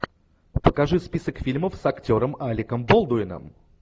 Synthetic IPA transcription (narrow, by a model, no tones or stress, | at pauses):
pəkɐʐɨspʲisəkfʲilʲməfsɐktʲo̞ɾəmalʲɪkəmbolˠd̪ʊɪnə̰m